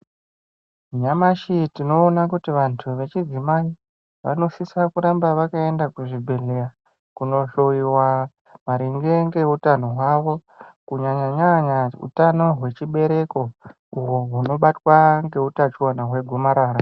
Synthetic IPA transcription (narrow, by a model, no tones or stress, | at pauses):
ɲamaʃitino̞ːnakutiʋantʰuʋe̞t͡ʃid͡zimai | ʋa̰no̞sisakuɾambaʋakae̞ndakuʐibʱe̞ɮera | kuno̞ɬo̞iwa | maɾiŋɡe̞ŋɡe̞utanoɦwaʋo̞ | kuɲaɲaɲaɲaṵtano̞ɦwe̞t͡ʃiɓe̞ɾe̞ko̞ | uɦoɦuno̞ɓatwaŋɡe̞utat͡ʃuwanaɦwe̞ɡʱomaɾaːɾa